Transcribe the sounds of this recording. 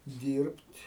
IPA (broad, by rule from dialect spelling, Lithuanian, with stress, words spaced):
ˈdʲiːrʲpʲtʲ